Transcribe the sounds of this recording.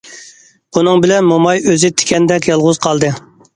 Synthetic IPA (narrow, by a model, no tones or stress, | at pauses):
unɨŋbɪlɛnmomɑjøzɪt̪ʰɪ̥kʲʰɛnd̪ɛkʲjɑlˠʁʊz̥qʰɑlˠd̪ɨ